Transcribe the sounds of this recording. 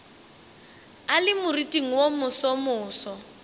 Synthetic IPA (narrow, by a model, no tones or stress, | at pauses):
alɪmʊritʼiŋ̩womʊsɔmʊːsɔ